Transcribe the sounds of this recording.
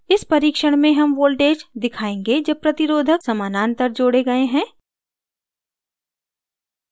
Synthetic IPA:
ɪspɐɾiːkʃəɽ̃mẽɦɐmʋoːlʈeːd͡ʒd̪ɪkʰaːẽːŋɡed͡ʒɐb̚pɾɐt̪ɪɾoːd̪ʱəksɐmaːnaːnt̪əɾd͡ʒoːɽeɡɐeɦɛ̃ː

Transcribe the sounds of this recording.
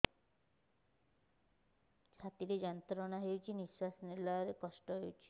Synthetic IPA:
t͡ʃʰat̪iɾed͡ʒant̪ɾɔnaɦewt͡ʃʰiniswasnelaɾekɔʃʈɔɦewt͡ʃʰi̥

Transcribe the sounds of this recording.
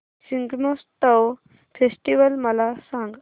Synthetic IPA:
siŋɡmost̪əw | fʰesʈiʋəlməlasãŋɡ

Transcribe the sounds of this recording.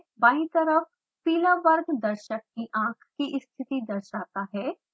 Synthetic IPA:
baːɦĩt̪əɾəf | piːlaʋəɾɡd̪ɐɾʃək̚ːiʔãːkʰkiʔɪst̪ʰɪt̪id̪ɐɾʃaːt̪aɦɛː

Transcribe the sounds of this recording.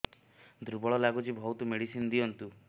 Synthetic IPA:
d̪ʱɾubɔɭɔlaɡut͡ʃibʱɔwt̪umeɽisind̪iɔnt̪u

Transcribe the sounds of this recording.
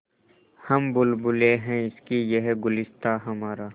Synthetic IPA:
hɐmbʊlbʊleɦɛ̃ɪskijɐɦɡʊlɪst̪aɦɐmaːɾaː

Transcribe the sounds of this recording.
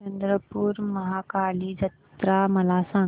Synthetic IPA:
ɐnd̪ɾəpuːɾməɦakalid͡ʒət̪ɾaməlasã

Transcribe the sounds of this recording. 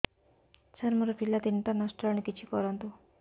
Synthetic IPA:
t͡ʃɐɾmuɾɐpʰilːɐt̪int̪ɐnɐʂʈɐlɐnikit͡ʃːikɔːɾɐnt̪u

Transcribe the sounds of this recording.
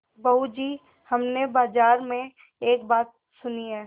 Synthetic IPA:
bəɦud͡ʒiː | hɐmnebaːd͡ʒaːɾmẽ | eːk̚baːt̪̚ | sʊniɦɛː

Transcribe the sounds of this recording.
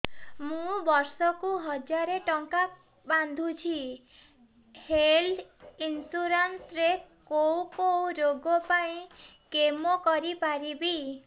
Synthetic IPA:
mũbɔɾsɔkuɦɔd͡ʒaɾeʈɔŋka | band̪ʱut͡ʃʰi | helinsuɾant̪ɾekowkowɾoɡɔpaĩkemɔkɔɾipaɾibi

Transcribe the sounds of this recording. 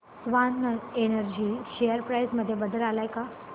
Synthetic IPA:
sʋanːəenəɾd͡ʑiʃejəɾpɾajzməd̪ʱːjebəd̪əlalajka

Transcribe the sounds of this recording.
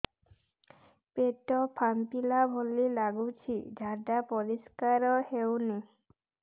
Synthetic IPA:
peʈɔpʰampilabʱolilaɡut͡ʃʰiɖʱaɖapɔɾiskaɾɔhewni

